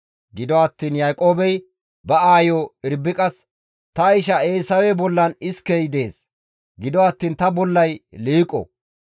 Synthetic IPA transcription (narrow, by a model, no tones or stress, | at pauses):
ɡɪd̪ɔɐt̪ːiːnjaːkʼoːbɛj | bɐaːjoːɪɾbɪkʼɐs | t̪ɐɪʃ̬ɐeːsɐwɛbɔlːɐnɪskɛjd̪e̞ːs | ɡɪd̪ɔɐt̪ːiːnt̪ɐbɔlːɐjliːkʼːɔ̰